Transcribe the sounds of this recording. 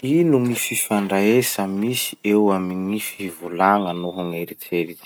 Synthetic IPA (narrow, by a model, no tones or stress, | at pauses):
inuŋififaɳɖ͡ʐaesamisi̥ewamiŋifivulaŋanoɦaŋeɾit͡seɾi̥